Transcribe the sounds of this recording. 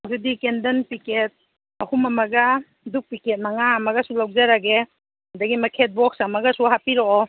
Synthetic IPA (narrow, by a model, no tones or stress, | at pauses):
wzedikendɐnpiket̚ | ɐhumɐmɐɡɐ | duk̚piket̚maŋaːmɐɡɐsulawzaɾaɡe | dɐɡimɐkʰet̚bɔk̚samɐɡɐsuɦapiɾɔɔ